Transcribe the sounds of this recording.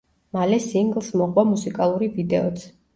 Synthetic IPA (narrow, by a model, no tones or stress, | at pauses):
malɛsiŋɡlˠsmɔχwamusikʼalˠuɾivid̪ɛɔt̪sʰ